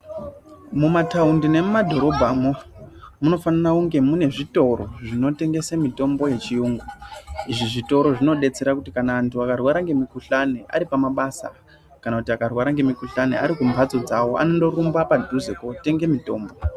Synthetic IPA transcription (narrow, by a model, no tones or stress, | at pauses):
mumataundine̞mumadʱo̞ɾo̞bʱamomuno̞fanarauŋɡe̞mune̞ʐito̞ro̞ʐino̞te̞ŋɡe̞samito̞mbo̞je̞t͡ʃiuːŋɡuiʐiʐito̞ɾo̞ʐino̞ɗe̞t͡se̞ɾakutikanaantuakarwaɾaŋɡe̞mikuɬaneʔa̰ɾipamaɓasa̰ | kanakutiakarwaɾaŋɡe̞mikuɬanḛa̰ɾikumbʱad͡zo̞d͡zawo̞ʔa̰no̞ndo̞rumbapadʱuzekote̞ŋɡe̞mito̞ːmbo̞